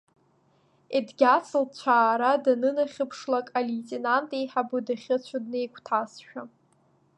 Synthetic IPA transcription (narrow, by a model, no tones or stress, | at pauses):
edɡʲat͡sʰʼɨlt͡ɕʷʰaːɾadanɨnaχʲɨpʰʂlakʼalitʼenantʼejħabɨdaχʲɪt͡ɕʷʰadne̞jkʷʰʼtʰasʃᶣa